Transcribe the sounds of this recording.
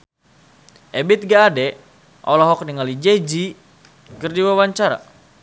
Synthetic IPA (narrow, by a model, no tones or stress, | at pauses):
ʔɛbit̪̚ɡaːdɛ | ʔɔ̰laɦɔk̚niŋalid͡ʒɛd͡ʒi | kɨrdiwawaɲt͡ʃaɾa̰